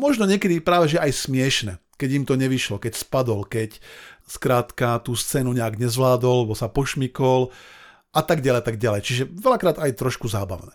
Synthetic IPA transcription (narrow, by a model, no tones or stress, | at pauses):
mɔʒnɔɲɪɛkɛd̪ipɾaːʋɛʒɛʔajsmɪɛʃnɛ | kɛɟimt̪ɔɲɛʋiʃlɔkɛcspad̪ɔlkɛcskɾaːt̪kat̪uːst͡sɛːnuɲɛaɡɲɛzʋlaːd̪ɔlːɛbɔsapɔʃmikɔl | ʔat̪aɡɟalɛjat̪aɡ̚ɟalɛjt͡ʃiʒɛʋɛlakɾaːd̪ajt̪ɾɔʃkuzaːba̰ʊnɛː